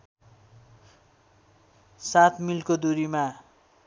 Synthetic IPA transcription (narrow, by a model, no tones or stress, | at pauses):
sat̪ʰmilkod̪uɾima